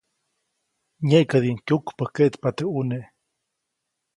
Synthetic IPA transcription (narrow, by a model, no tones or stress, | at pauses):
ɲeʔkəd̪iŋkjukpəkeʔt̪pat̪euneʔ